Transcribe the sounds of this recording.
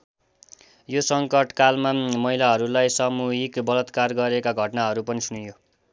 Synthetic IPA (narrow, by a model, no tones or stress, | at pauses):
josʌŋkʌʈkalmamʌɦilaɦʌɾulajsamuɦikbʌlʌt̪karɡʌɾekaɡʱʌʈnaɦʌɾupʌnisunujo